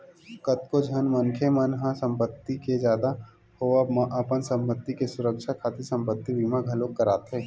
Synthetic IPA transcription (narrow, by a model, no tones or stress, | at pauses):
kət̪kod͡ʒʱənmənkʰemənɦãsə̃mpət̪ːiked͡ʒjaːd̪a | hoamaʔəpənsə̃mpət̪ːikesʊɾəkʃakʰaːt̪esə̃mpət̪ːibiːmaɡʱəlokːəɾaːt̪ɦɛː